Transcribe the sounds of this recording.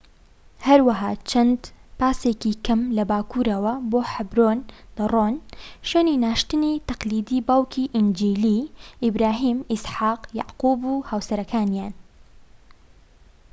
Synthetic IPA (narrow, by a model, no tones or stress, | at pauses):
hɐɾwɐɦaːt͡ʃʰɐnd̪paːsekikʰɐmlɐbaːkuːɾɐwɐboːħabɾoːnd̪̥ɨrˤoːnʃjeːninaːʃt̪ɨnit̪ɐqliːd̪iːbawkʰiːʔɪnd͡ʒiːliːʔɪbɾaːɦiːmɪsħaːqjɑ̰ʕquːbuhaːwsɐɾɐkʰaːnjaːn